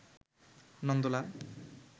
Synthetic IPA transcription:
nɔnd̪ola

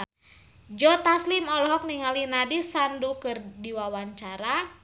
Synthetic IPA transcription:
d͡ʒɔt̪aslimɔlɔɦɔk̚niŋalinadisandukɨrdiwawaɲt͡ʃaɾa

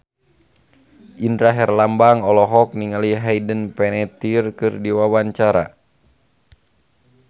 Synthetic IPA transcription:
ʔindɾaɦɛrlambaŋɔlɔɦɔk̚niŋaliɦaidənpɛnɛt̪irkɨrdiwawaɲt͡ʃaɾa̰

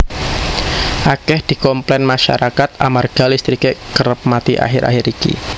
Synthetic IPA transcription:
ʔakɛhd̪̥i̤kɔmplɛnmaʃa̰ɾakat̪amarɡ̥alist̪ɾikeʔkəɾəp̚mat̪iʔa̰ɦɪɾʔa̰hɪɾikḭ

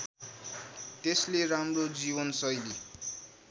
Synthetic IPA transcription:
t̪esleramrod͡zibʌnsʌjli

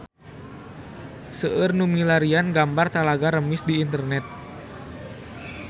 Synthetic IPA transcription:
səʔərnumilaɾianɡambart̪alaɡaɾəmɪsdiːnt̪ərnɛt̪̚

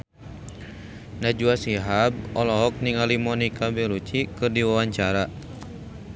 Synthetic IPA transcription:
nad͡ʒuasiɦab̚ɔlɔɦɔk̚niŋalimɔnikabɛɾut͡ʃikɨrdiwawaɲt͡ʃaɾa

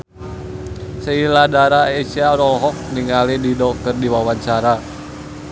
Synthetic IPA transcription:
səiladaɾaesiaɾɔlɦɔk̚niŋalididɔkɨrdiwawaɲt͡ʃaɾa

